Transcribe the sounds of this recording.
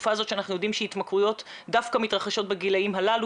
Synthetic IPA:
fazo̞tʃeanaχnujo̞d̪imʃeit̪makʁujo̞t | dafkamitʁaχaʃo̞t̚beɡilaimɦalalu

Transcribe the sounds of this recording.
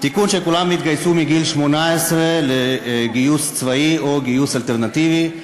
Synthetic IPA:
t̪ikunʃekulamit̪ɡajsumiɡilʃmonaesʁeleɡijust͡svaio̞ɡijusalt̪eʁnat̪ivi

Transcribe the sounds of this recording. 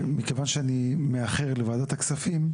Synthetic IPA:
mikevanʃeanimeaχe̞ʁlevaːd̪at̪aksafim

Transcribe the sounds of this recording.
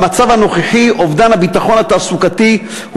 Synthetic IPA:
mat͡savano̞χeχiovd̪anhabit̪aχo̞nhat̪aːsukati | h

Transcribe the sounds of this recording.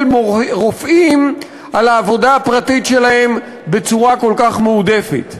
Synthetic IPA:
lmoʁofʔim | alaːvo̞daːpʁatitʃe̞lahe̞m | be̞t͡suʁako̞lkaχmeude̞fḛt

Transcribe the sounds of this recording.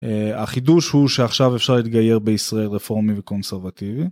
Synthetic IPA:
eaχiduʃhuʃeaχʃavefʃaʁlit̪ɡaje̞ʁbe̞isʁae̞lʁefo̞ʁmiveko̞nseʁvativi

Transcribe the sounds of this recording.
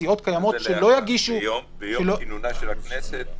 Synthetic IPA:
io̞t̪kajamo̞ʃelo̞jaɡiʃu | eloknese

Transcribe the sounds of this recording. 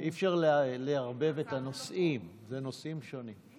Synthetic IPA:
ʔifʃeʁleleaʁbe̞vet̪ano̞sʔim | zeno̞sʔimʃo̞nim

